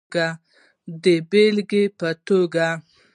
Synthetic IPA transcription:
ɡa | d̪əbelɡepət̪oɡa

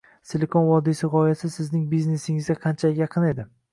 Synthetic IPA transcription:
selekʰonvɒd̪isɪʁɒjasɪsɪznɪŋbizne̞sɪŋɪzɡʲaqʰɑnt͡ʃʰajɑqʰɨne̞d̪ɪ

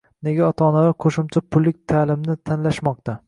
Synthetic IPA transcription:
ne̞ɡʲaɒt̪ʰɒnalaqʰoʃɪmt͡ʃʰapʰʊlːɪk̚ʲt̪ʰaːlɪmnɪt̪ʰanlaʃmɒqt̪ʰa

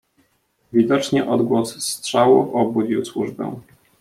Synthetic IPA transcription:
vʲid̪ɔt͡ʂɲɛʔɔd̪ɡwɔsstʂawṵfɔbud͡ʑiwswuʐbɛ̰̃

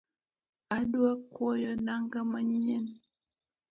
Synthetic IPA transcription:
aduakwojonaŋɡamaɲen

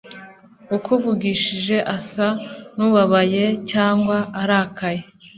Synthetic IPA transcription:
ukuvuɡiʃiʒe̞ʔasanuβaβaje̞caːŋɡwaːɾakaje̞

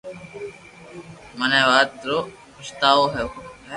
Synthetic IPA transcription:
məneːʋaːt̪ɾoː | kʊʃt̪aːoːɦɛ

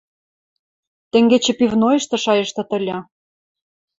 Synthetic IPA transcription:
t̪ɘ̆ŋɡet͡ɕĕpivnojɤ̆ʃt̪ɤ̆ʃɑjɤ̆ʃt̪ɤ̆t̪ə̆lʲɑ

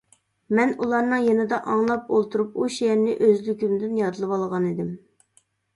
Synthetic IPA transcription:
mɛnulˠɑɾnɨŋjenɨd̪ɑʔɑŋlˠɑp̚olˠt̪ʰuɾup̚uʃijɛɾnɪʔøzlykʲimd̪ɪnjɑd̪ʰɨlˠɨwɑlˠʁɑnid̪ɪm

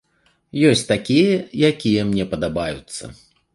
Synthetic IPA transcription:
jɔsʲtʲt̪akʲijɐjakʲijɛmnʲɛpɐd̪abajut̪sːɐ̰

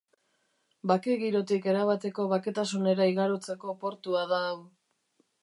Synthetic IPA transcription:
bakeɣiɾo̞t̪ike̞ɾaβat̪e̞ko̞βake̞t̪asune̞ɾaiɣaɾot͡se̞ko̞po̞ɾt̪uaða

